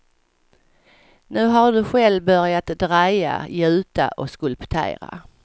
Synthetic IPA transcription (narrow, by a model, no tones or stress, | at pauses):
nʉ̟ːɦaɖɵɧɛlvbœɾjat̪d̪ɾaja̰jʉ̟ʉːt̪a̰ʔɔskɵlpt̪ʰḛːɾa̰